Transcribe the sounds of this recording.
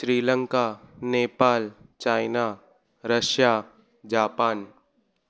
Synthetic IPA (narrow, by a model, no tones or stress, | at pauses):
ʃɾiːlə̃ŋkaneːpaːlt͡ʃaːɪna | ɾəʃjaː | d͡ʒaːpaːn